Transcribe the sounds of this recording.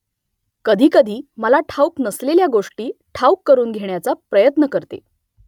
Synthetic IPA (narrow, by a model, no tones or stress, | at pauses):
kəd̪ʱiːkəd̪ʱiːməlaʈʰawknəsleljaɡoʂʈiːʈʰaukːəɾuːnɡʱeɳjat͡sapɾəjət̪nəkəɾt̪ḛ